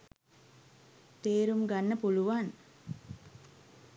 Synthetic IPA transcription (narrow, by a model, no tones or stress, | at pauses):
t̪eːɾumɡanːəpuluʋan